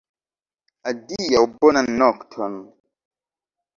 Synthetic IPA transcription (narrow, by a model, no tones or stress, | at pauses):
adijaubɔnanɔktʰɔn